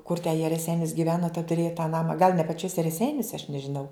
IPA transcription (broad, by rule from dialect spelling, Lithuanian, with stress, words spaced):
kʊr tʲɛ jiɛ rʲɛˈsʲɛɪnʲɪs ɡʲɪˈʋʲæːnoː tʲɛn tʊˈrʲeːjɛ tɑː ˈnɑːmɐ ɡɐlˠ nʲɛ pɐˈt͡ʃʲoːsʲɛ rʲɛˈsʲɛɪnʲoːsʲɛ ɐʃ nʲɛʒʲɪˈnɐʊ